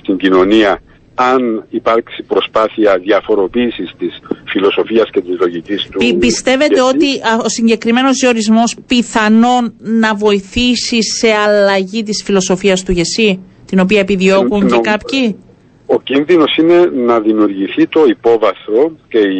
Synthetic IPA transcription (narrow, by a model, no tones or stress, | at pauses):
st̪iɲɟino̞niɐ | ɐnipɐɾksipɾo̞spɐθiɐðiɐfo̞ɾo̞piːsist̪isfilo̞so̞fiɐsce̞t̪izlo̞ʝicist̪upist̪e̞ve̞t̪e̞o̞t̪iosiɲɟe̞kɾime̞no̞zio̞ɾizmo̞spiθɐno̞nːɐvo̞iθisise̞ɐlɐʝit̪̬isfilo̞so̞fiɐst̪uʝe̞si | t̪ino̞p̬iɐepiðio̞kuɲekɐpçi | ocinðino̞sine̞nɐðimiuɾʝiθit̪o̞ipo̞vɐθo̞ce̞i